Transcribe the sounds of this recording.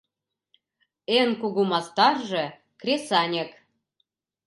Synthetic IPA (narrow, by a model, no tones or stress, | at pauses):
enkuɣumɑst̪ɑrʒɤ̆ | krʲesɑnʲek